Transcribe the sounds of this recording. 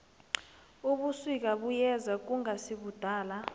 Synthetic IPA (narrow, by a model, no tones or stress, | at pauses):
uɓusik̬ʼaɓujɛzak̬ʼuŋasiɓud̥ʱaːla